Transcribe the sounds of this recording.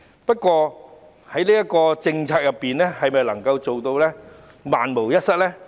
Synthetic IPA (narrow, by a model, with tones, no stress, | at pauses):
pɐ˥t̚kʷɔː˧ | hɐ˨˥jliː˥jɐ˥t̚kɔː˧t͡sɪ˧ŋt͡sʰaː˧t̚jɐ˨pːiː˨nlɛː˥hɐ˨jmɐ˨jlɐ˨˩ŋkɐ˧wt͡so˨wt̪o˧wlɛː˥ | maː˨nmo˨˩wjɐ˥t̚sɐ˥t̚lɛː˥